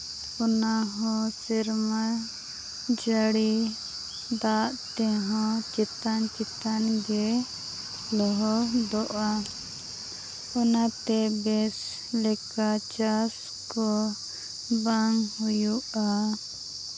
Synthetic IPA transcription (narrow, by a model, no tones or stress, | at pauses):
ɔnaɦɔ̃siɾma | d͡ʒaɽi | d̪aʔt̪ɛɦɔ̃t͡ʃɛt̪ant͡ʃɛt̪anɡɛ | lɔɦɔd̪ɔʔa | ɔnat̪ɛbɛs | lɛkat͡ʃas | kɔ | baŋhujuʔa